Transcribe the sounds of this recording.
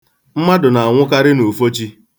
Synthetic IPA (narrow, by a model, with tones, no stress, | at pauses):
m̩˦ma˦dʊ˨na˨a˨ŋʷʊ˦ka˦ɾɪ˦no˨fo˦t͡ʃi˦